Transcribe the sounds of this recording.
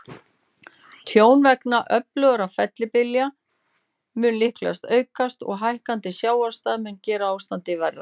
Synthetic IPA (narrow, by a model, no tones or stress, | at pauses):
t̪ʰjoːwnvɛknaʔœplœɣɾafɛt̪lɪpɪlja | mʏnlɪhkla̰st̪œːɥkast̪ɔ̰ɣɦajhkant̪ɪsjaːwast̪aðmʏncɛːɾaaːwst̪ant̪ɪvɛra̰